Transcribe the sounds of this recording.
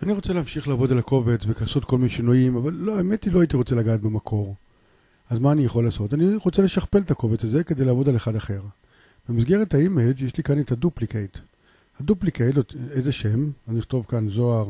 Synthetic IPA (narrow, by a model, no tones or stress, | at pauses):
aniʁo̞t͡seleamʃiχlaːvo̞dalako̞vet͡svekasot̪ko̞lmineʃinuimavalːoaemetiloait̪iʁo̞t͡se̞laɡaːtbemakʰo̞ʁ | azmaːnijaχo̞lːaːso̞taniʁo̞t͡sele̞ʃaχpe̞let̪ako̞vet͡saze̞ke̞d̪ejlaːvo̞d̪aleχad̪aχe̞ʁ | b̥emisɡe̞ʁethaimed͡ʒjeʃlikanet̪aduplikejt | haduplikejtlotejzeʃe̞mazniχt̪o̞vkanzo̞aʁ